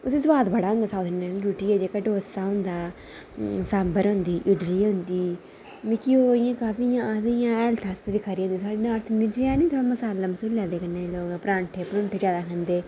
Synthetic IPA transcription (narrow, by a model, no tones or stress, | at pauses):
ʊseːsʋaːd̪bəɽaːɦʊ̃nd̪aːsaːd̪naːlːɾuːʈiːɛːd͡ʒeːkaːɖoːsaːɦʊ̃nd̪aː | sambəɾɦʊ̃nd̪iːʔɪɖliːɦʊ̃nd̪iː | mikiːoːɪjãːkaːfiːjãːaːd̪ejãːɛːlt̪ʰast̪ːbiːkʰəɾiːɦõnd̪iːt̪ʰaːɽeːnãːɾt̪ʰmɪd͡ʒɾãːnĩːt̪ʰaːməsaːlːaməsuːllaːd̪eːkənːeːloːɡpɾãːɳʈʰeːpɾʊ̃ɳʈʰeːd͡ʒjaːd̪aːkʰənd̪eː